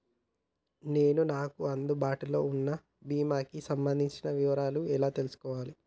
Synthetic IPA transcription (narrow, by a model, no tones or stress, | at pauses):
ne̞ːnunaːkuɐnd̪ubaːʈulo̞ːunːɐ | biːmaːkisɐmbɐnd̪ʱiɲt͡ʃinɐʋiʋɐɾaːluɛlaːt̪e̞lusu̥kɔːʋaːli